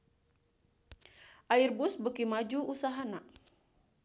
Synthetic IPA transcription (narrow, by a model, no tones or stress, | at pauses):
ʔairbusbəkimad͡ʒuusaɦana